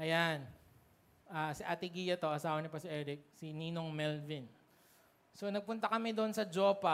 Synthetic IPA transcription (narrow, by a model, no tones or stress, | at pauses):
ʔɐjan | ʔaːsɪʔat̪ɪɡiːjɐt̪o̞ʔɐsaːwɐnɪpɐsɪʔɛːɾɪk̚siniːnoŋmɛlvɪn | sonɐɡ̚pʊnt̪ɐkɐmɛd̪oʔonsɐd͡ʒoːpa